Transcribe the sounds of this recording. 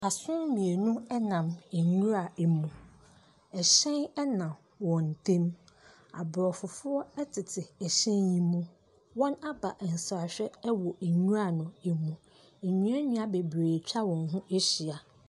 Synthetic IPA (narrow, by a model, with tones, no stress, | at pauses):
a˨sʊ̃˦mmĩ˨e˨nʊ̃˦ɛ˦nã˨me˨ɲũ˦ɾa˨e˨mũ˨ | ɛ˨ɕɛ̃˦nɛ˦nã˨m | wɔ̃˨n̩˨tʰẽ˦m | a̰˨bɾɔ˨fʊ˨fʊ˦ɔ˦ɛ˦tʰɪ˨tʰɪ˨ɛ˨ɕɛ̃˦ɲĩ˦mũ˦ | wɔ̃˦na˦ba˨ʔn̩˨sa˨a˨ɕᶣɛ˦wɔ˨e˨ɲũ˦ɾa˦˨nʊ̃˨e˨mũ˨ | e˨ɲũ˨˦ɛ˦ɲʊ̃˦a˦be˨bɾeː˨t͡ɕᶣa˦wɔ̃˨nɦʊ̃˦e˦ɕi˨a˨